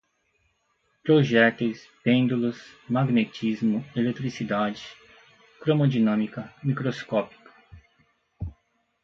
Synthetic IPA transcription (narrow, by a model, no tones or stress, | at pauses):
pɾoʒɛt̪ʊs | pẽnd̪ulɐsmaɡnet͡ʃizmʊelet̪ɾisid̪ad͡ʒɪ̥ | kɾomod͡ʒinɐ̃mikɐmikɾoskɔpi̥kɐ̥